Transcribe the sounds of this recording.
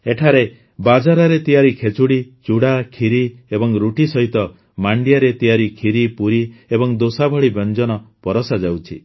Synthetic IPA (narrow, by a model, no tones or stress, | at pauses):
eʈʰaɾe | bad͡ʒaɾaɾet̪ijaɾikʰet͡ʃuɽit͡ʃuɽakʰiɾiebɔŋɾuʈisɔɦit̪ɔ | maɳɖijaɾet̪ijaɾikʰiɾipuɾiebɔŋd̪osabʱɔɭibʱɔnd͡ʒɔnɔpɔɾɔsad͡ʒawt͡ʃʰḭ